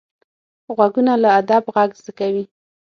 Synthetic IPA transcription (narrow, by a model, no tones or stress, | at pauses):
ɣwaɡunalaad̪abɣaɡzd̪akawi